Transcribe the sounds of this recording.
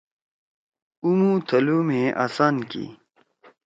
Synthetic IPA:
umũːt̪ʰɐluːmẽːʔa̰ːsaːnkḭː

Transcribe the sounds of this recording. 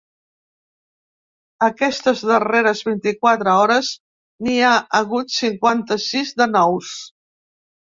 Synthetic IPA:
əkɛst̪əzðəreɾəzβint̪ikwat̪ɾəɔɾəz | niaəɣut̪siŋkwant̪əsizd̪ənɔws

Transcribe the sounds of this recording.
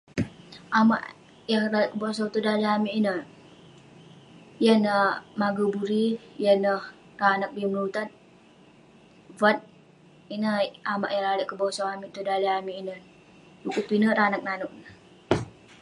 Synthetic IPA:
ʔama̰ʔ | jaŋraləʔkəbos̬awt̪udaliamiʔinə | janəmaɡubuɾijənəh | ranak̚biməlut̪at̪̚ | vat̪̚ | inəama̰ʔjaŋɾaləʔkəbosawamiʔt̪udaliamiːnə | dukupinəɾanak̚nanʊʔ̚nə

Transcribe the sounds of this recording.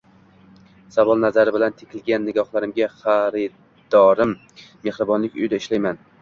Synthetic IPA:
savɒlˠnazaɾɪbɪlant̪ʰe̥kʲʰɪlɡʲanːɪɡɒχlˠaɾɪmɡʲaχaɾɪ | d̪̥ɒɾɪmː | e̞hɾɪbɒnlɪkʲʊ̰jd̪aɪʃlajman

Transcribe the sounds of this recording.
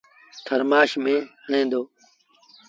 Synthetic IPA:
t̪ʰəɾmaːʃmẽːɦẽːnd̪oː

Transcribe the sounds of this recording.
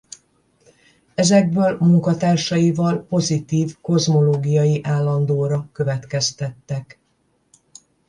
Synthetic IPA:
ɛzɛɡ̚bøːlmuŋkɒt̪aːrʃɒjivɒlpo̞zit̪iːvko̞zmo̞loːɡijɒjiʔaːlːɒnd̪oːɾɒkø̞vɛt̪kɛst̪ɛt̪ːɛk

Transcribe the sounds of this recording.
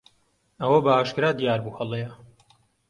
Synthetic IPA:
ɐwɐbɐaːʃkɨɾaːd̪ijaːɾbuːhɐlˠejɐ

